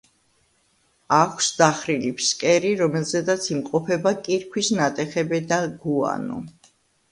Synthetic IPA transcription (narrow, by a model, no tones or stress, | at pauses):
akʷʰsd̪aχɾilipʰskʼɛɾiɾɔmɛlzɛd̪at̪sʰimqʼɔpʰɛbakʼiɾkʰwisnat̪ʼɛχɛbɛd̪aɡua̰nɔ̰